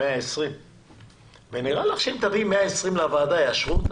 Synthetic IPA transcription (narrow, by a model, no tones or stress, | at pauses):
eaesʁim | veniʁalaχʃeemt̪avimeaesʁimleavaːd̪ajaʃʁut̪